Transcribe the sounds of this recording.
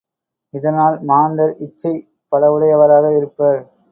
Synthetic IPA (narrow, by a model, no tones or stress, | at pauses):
ɪðɐnaːlmaːnd̪ɐɾɪt͡ʃːɐɪ | pɐlɐʋɯɽɐɪɐʋɐɾaːɣɐɪɾɯpːɐɾ